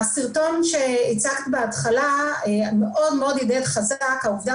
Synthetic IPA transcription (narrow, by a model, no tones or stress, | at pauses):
siʁto̞nʃeit͡sakt̪ibeatχalaemeʔo̞d̪meo̞d̪jodetχazakaovda